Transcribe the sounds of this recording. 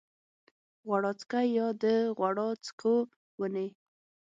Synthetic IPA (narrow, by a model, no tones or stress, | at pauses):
ɣwaɽɑt͡skajɑd̪əɣwaɽɑt͡skʰo | wəne